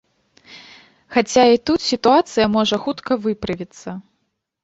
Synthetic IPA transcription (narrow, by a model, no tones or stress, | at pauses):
xat͡sʲait̪ut̪sʲit̪uat̪sɨjɐmɔʐɐxut̪kɐvɨpɾɨvʲit̪sːɐ